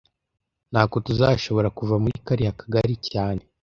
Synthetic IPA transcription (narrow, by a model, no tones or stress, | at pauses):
n̥haːko̞tuzaʃo̞βo̞ɾakuvamuɾikaɾihakḁɡaɾicaːne̞